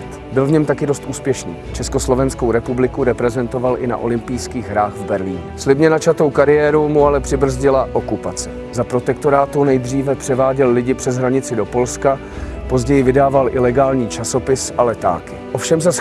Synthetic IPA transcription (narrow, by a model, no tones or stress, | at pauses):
t̪bɪlvɲɛmt̪akɪdo̞st̪ʔuːspjɛʃnḭːt͡ʃɛsko̞slo̞vɛnskowɾɛpublɪkuɾɛpɾɛzɛnt̪o̞valʔɪna̰ʔo̞lɪmpɪjskiːɣɦɾaːxvbɛɾliːɲʊslɪbɲɛnat͡ʃat̪o̞wkaɾɪjɛːɾumualɛpr̥ɪbr̩zɟɪlaʔo̞kupat͡sɛ | zapɾo̞t̪ɛk̚t̪o̞ɾaːt̪unɛjd̪r̝iːvɛpr̝̥ɛvaːɟɛlɪlɪɟɪpr̝̥ɛzɦɾaɲɪt͡sɪdo̞po̞lska | po̞zɟɛjɪvɪdaːvalʔɪlɛɡaːlɲiːt͡ʃaso̞pɪsʔalɛt̪a̰ːkɪʔofʃɛmzas